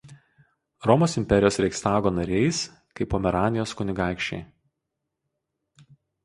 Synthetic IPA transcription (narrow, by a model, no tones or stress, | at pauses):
ɾɔmoːsɪmʲpʲɛɾʲɪjoːsɾʲɛɪkst̪ɑːɡoːnɐɾʲɛɪs | kɐɪpoːmʲɛɾɑːnʲɪjoːskʊnʲɪɡɑˑɪkʃʲt͡ʃʲɛ̰ɪ